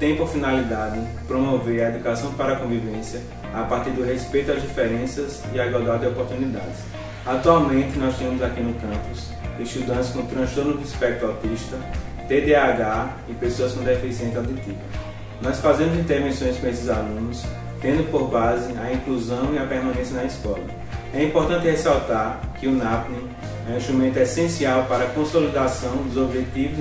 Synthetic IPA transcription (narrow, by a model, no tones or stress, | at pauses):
t̪ẽj̃poɾfinalid̪ad̪ɪ | pɾõmoveɾɐed̪ukasɐ̃w̃paɾɐakõvivẽsjɐ | apaɾt̪iɾd̪ʊɦespejt̪ʊazd͡ʒifɛɾẽsɐz | iaiɡwawd̪ad̪d̪ɔpoɾt̪unid̪a̰d̪ɪs | at̪uawmẽt̪ɪnɔst̪ĩɐ̃mʊzakinʊkɐ̃pʊs | iʃt̪ud̪ɐ̃t̪ɪskõt̪ɾɐ̃ʃt̪oɾnʊd̪ɪispɛk̚t̪uawt̪iʃt̪ɐt̪ed̪eaɡa | ɪpesoɐskõd̪efisiẽnt̪awd̪it̪ivɐ | nɔjsfazẽmʊzĩt̪eɾvẽsõj̃spɾɐesɪzalũnʊs | t̪ẽnd̪ʊpoɾbazɪaĩkluzɐ̃w̃iɐpɛɾmɐ̃nẽsjɐnɐiskɔlɐ̰ | ɛĩpoɾt̪ɐ̃nt̪ɪhesawt̪aɾkɪʊnapnĩ | ɛ̃ĩʃt̪ɾumẽnt̪ʊɛsẽsiawpaɾɐkõsolid̪asɐ̃w̃d̪ʊzobʒet̪ivʊ